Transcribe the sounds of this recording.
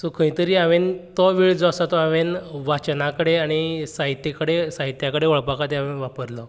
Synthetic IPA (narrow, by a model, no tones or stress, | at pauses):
sɔkʰə̃ĩt̪əɾiːaʋent̪ɔʋiɭd͡zɔasat̪ɔaʋenʋat͡ɕnakəɽeaɽ̃isaɦit̪ːekəɽesaɦit̪jakəɽeʋɔɭpakat̪eaʋenʋapəɾlɔ